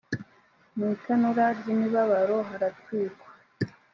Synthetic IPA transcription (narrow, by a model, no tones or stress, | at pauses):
metʰanuɾaɾɟimiβaβaɾoɦaɾatwiːkwa